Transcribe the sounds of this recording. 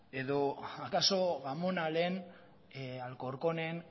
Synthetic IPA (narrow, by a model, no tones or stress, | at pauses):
e̞ðoakaso̞ɣamonalen | alko̞ɾkonen